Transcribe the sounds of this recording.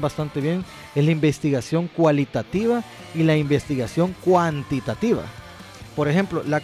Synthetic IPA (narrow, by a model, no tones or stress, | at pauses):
bast̪ant̪eβje̞ŋ | eslaimbe̞st̪iɣasjo̞ŋkwalit̪at̪iβa | ilaimbest̪iɣasjo̞ŋkwant̪it̪at̪iβa̰ | poɾexe̞mplo̞la